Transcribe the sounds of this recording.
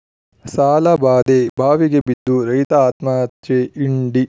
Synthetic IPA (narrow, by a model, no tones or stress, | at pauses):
saːlɐbaːd̪eːbʱaːʋiɡebid̪ːuɾɐjt̪ɐaːt̪maːt̪t͡ʃeːʔiɳɖi